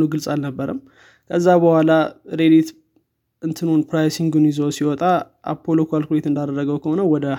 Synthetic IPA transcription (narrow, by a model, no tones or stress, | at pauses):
nuɡɨlsʼalnəbːəɾəm | kʰəzːabəhʷwʷalaɾed̪it̪ | ɨnt̪ʰɨnonpɾajsiŋɡɨnizəwsiwɔt̪ʼa | ʔa̰pʰːo̞lokalkulet̪ɨnd̪ad̪ərːəɡəwkʰəho̞nəwɔd̪ə